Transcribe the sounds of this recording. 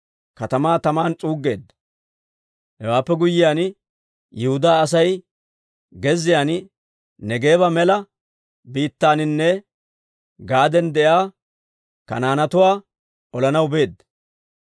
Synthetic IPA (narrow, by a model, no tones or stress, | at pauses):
kɐt̪ɐmaːt̪ɐmaːnt͡sʼuːɡːe̞̰ːd̪ːɐ | hɛwaːpːɛɡʊjɪjaːn | jɛhʊd̪aːɐs̬ɐj | ɡɛzːɪjaːn | nɛɡe̞ːβɐmɛlɐ | biːt̪ːaːnɪnːɛ | ɡaːd̪ɛnd̪ɛʔjaː | kɐ̰naːnɐt̪ʊwaː | ʔɔlɐnɐwbe̞ːd̪ːɐ